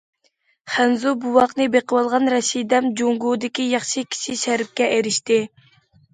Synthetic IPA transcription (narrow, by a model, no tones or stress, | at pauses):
χænzubuwɑqnɨbeqəwɑlˠʁɑnɾɛʃijd̪ɛmd͡ʒoŋɡud̪ɪkʲijɑχʃikʲʰi̥ʃiʃæɾɪp̚kʲɛʔeɾɪʃt̪ɪ